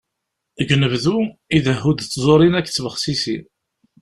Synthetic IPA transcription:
ɡnəvðuiðəɦːud̪t͡sːzˤoɾˤinækːt͡sːvəχsisi

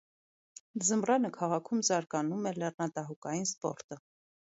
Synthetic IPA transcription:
zəmrɑnəkʰɑʁɑkʰumzɑɾkɑnumɛlɛrnɑt̪ɑɦukɑjinspɔ̰ɾt̪ə

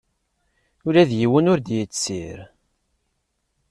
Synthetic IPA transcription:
ʊɾæðjiwənʊɾd̪jət͡sːsiɾ

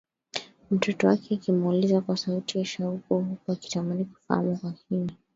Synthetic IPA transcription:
m̩tɔtɔwakɛːkimulizakwasautijaʃaukuhukwaki̥tamaniku̥faa̰mukwahini

